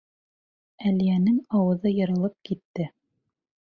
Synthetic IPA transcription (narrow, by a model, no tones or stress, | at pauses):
ælijænɘŋɑwɤ̆ðɤjɤ̆ɾɤ̆lˠɤp̚kit̪ːɘ